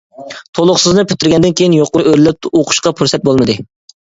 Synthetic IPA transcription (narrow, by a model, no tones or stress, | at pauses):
t̪ʰolˠʊχsɨznɨpʰyt̪ːɪɾɡʲɛnd̪ɪnkʲʰejinjoqːˠʊʔøɾlɛp̪̚oqʰʊ̥ʃqɑpʰuɾsɛt̪̚bolˠmɨd̪ɨ